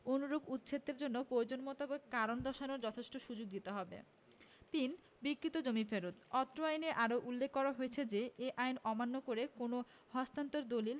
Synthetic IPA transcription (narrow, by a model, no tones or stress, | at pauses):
onuɾobut̪t͡ɕʰet̪ːeɾd͡ʑonːopɾood͡ʑonmɔt̪obekaɾond̪ʱɔʃanoɾd͡ʑɔt̪ʰeʃʈoʃud͡ʑoɡ̚d̪it̪eɦɔbḛ | t̪in | bikːɾit̪od͡ʑomifeɾot̪ɔt̪ːɾoajneʔaɾoʔulːekʰːɔɾaɦoet͡ɕʰed͡ʑeeʔajnɔmanːokoɾekono | hɔst̪ant̪oɾd̪olil